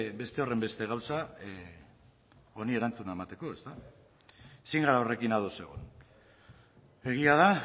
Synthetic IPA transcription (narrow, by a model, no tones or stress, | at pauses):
be̞st̪e̞o̞re̞mbe̞st̪e̞ɣ̞awsa | o̞nie̞ɾant͡sunae̞mat̪e̞ko̞e̞st̪a | siŋɡaɾaore̞kinaðo̞se̞ɣ̞on | e̞ɣiað̞a